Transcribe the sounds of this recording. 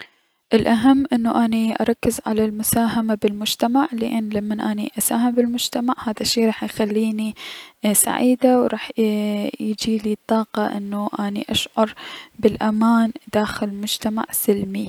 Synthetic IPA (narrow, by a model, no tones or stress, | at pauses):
ʔɪlʔaɦamːʔɪnːuʔaniʔɑ̰ɾˤɑkːɪzʕa̰lalmʊsaːɦamabɪlmʊd͡ʒt̪amaʕlɪʔɪnːlamːanʔaːnḭʔasaːɦambɪlmʊd͡ʒt̪amaʕhaːðaʃːiːɾˤɑːħjxalːiːnisa̰ʕiːd̪awɾˤɑːħ | jd͡ʒiːlit̪ˤːɑːqɑʔɪ̰nːuʔaːnḭʔaʃʕʊɾˤbɪlʔamaːnd̪aːxɪlmʊd͡ʒt̪ama̰ʕsɪlmi